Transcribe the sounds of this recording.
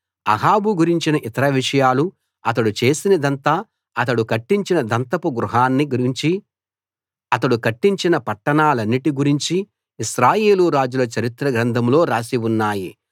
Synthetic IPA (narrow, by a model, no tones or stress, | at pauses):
ɐ̰ɦaːbuɡuɾiɲt͡ʃinɐʔit̪ɐɾɐʋiʂɐjaːlu | ɐt̪ɐɽut͡ʃe̞ːsinɐd̪ɐnt̪aː | ɐt̪ɐɽukɐʈːiɲt͡ʃinɐd̪ɐnt̪ɐpuɡɾuɦaːnːiɡuɾiɲt͡ʃi | ɐt̪ɐɽukɐʈːiɲt͡ʃinɐpɐʈːɐɳaːlɐnːiʈiɡuɾiɲt͡ʃiː | ʃɾaːje̞ːluɾaːd͡ʒulɐt͡ʃɐɾit̪ɾɐɡɾɐnd̪ʱɐmlo̞ːɾaːsiwunːaːjḭ